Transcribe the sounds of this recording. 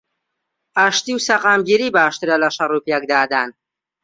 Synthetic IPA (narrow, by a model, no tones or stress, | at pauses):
aʃt̪iwsɐqaːmɡiːɾiːbaːʃt̪ɾɐlɐʃɐruːpjɛk̚d̪aːd̪aːn